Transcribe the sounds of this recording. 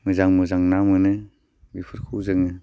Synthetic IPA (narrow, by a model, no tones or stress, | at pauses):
mɯzaŋmɯzaŋnamɯnɯ | bipʰɯɾkʰuzɯŋɯ